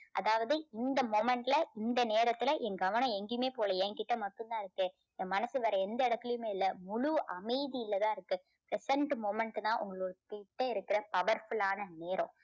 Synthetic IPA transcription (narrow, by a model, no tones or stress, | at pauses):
ʔɐ̰ðaːʋɐðɯɪnd̪ɐmoːmɛɳʈɪlɐɪnd̪ɐneːɾɐt̪ːɪlɐʔɛŋɡɐʋɐnɔ̃ɛŋɡɪjɯmeːpoːlɐɛ̃ŋkɪʈːɐmɐʈːɯ̃nd̪ãːɪɾɯkːɯ̃ | mɐnɐsɯʋɐɾɐɛnd̪ɐɪɽɐt̪ːɪlɪjɯmeːɪlːɐmʊɻuʔɐmɐɪðɪjɪlːɐt̪ãːɪɾɯkːɯ | pɾɛsɐɳʈmoːmɛɳʈɯt̪ãːʔʊ̰ŋɡɐɭoːɾɯkɪʈːɐɪɾɯkːɪɾɐpɐʋɐɾfʊɭaːnɐneːɾʔõ̰